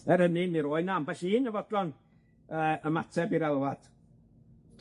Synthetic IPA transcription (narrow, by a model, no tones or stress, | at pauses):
ɛɾənɪniɾoːɨnambɛɬiɪnəvɔdlɔn | əːəmatʰɛbiɾɛlˠwad̥